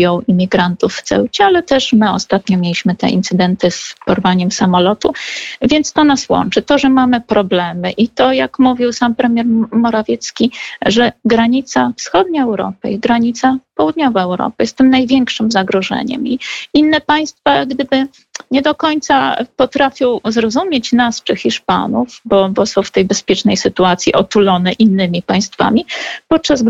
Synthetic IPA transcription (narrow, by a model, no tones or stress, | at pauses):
jɔ̃w̃imʲiɡɾant̪ufːt̪sɛ̰wt͡ɕɛalɛt̪ɛʂmɘɔst̪at̪ɲɔmʲjelʲiɕmɘt̪ɛ̰ʔḭnt̪sɘd̪ɛnt̪ɘspɔɾvaɲɛmsamɔlɔt̪uvʲjɛnt̪st̪ɔnaswɔ̰nt͡ʂɘt̪ɔʐɛmamɘpɾɔblɛmɘʔit̪ɔjakmuvʲiwsampɾɛmʲjɛɾmɔɾavʲjɛt̪skʲiʐɛɡɾaɲit̪safsxɔd̪ɲaɛwɾɔ̰pɘ̰iɡɾaɲit̪sapɔwud̪ɲɔvaɛwɾɔ̰pɘjɛst̪ːɘmnajvʲjɛŋkʂɘmzaɡɾɔʐɛ̰ɲɛ̰miinːɛpaj̃st̪faɡd̪ɘbɘ | ɲɛd̪ɔkɔɲt̪sapɔt̪ɾafʲjɔ̃w̃zɾɔzumʲjet͡ɕnast͡ʂɘxʲiʂpa̰nufbɔbɔsɔ̃w̃ft̪ɛjbɛspʲjɛt͡ʂnɛjsɘt̪uat̪sʲjiʔɔt̪ulɔnɛʔinːɘmʲipaj̃st̪fa̰mʲipɔt̪̚t͡ʂaz